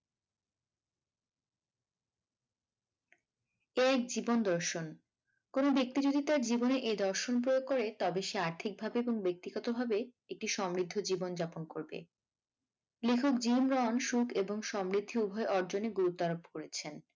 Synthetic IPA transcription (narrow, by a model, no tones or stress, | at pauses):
eɛk̚d͡ʑibond̪ɔɾʃon | konobek̚t̪id͡ʑod̪ʱit̪aɾd͡ʑiboneʔed̪ɔɾʃonp̬ɾojoɡ̚kːɔɾet̪ɔbeʃeaɾt̪ʰik̚bʱabeeboŋbek̚t̪iɡɔt̪obʱabe | ek̚ʈiʃɔmɾid̪ʱːod͡ʑibond͡ʑaponkoɾbḛ | lekʰokd͡ʑimɾɔnʃukʰeboŋʃɔmɾid̪ʱːiubʱɔeʔɔɾd͡ʑoneɡuɾut̪ːaɾop̚koɾet͡ɕʰen